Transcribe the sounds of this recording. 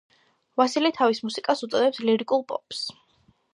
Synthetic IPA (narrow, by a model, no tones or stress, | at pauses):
vasilit̪ʰavismusikʼasut̪sʼɔd̪ɛpsliɾikʼulˠpʼɔ̰ps